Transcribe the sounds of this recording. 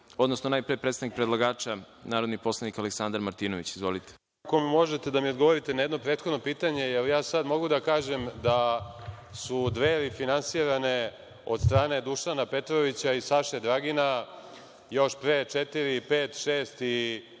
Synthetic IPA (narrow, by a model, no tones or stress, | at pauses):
o̞d̪no̞snonaːjpɾiepɾet̪st̪anikpɾedlˠaɡaːt͡ʃanaːɾo̞d̪nipo̞slˠanikaleksand̪aɾmaɾt̪iːno̞ʋit͡ɕizʋolit̪e̥ | kommo̞ʒet̪e̞d̪amiod̪ɡo̞ʋo̞ɾit̪enajed̪no̞pɾeːt̪xo̞d̪no̞piːt̪aɲe̞jelijaːsad̪mo̞ɡud̪akaːʒe̞md̪a | sud̪ʋeɾifinansiːɾane | o̞d̪st̪ɾaːne̞d̪uʃanape̞t̪ɾoʋit͡ɕaisaʃed̪ɾaɡina | jo̞ʃpɾet͡ʃet̪iɾipeːt̪ʃeːst̪i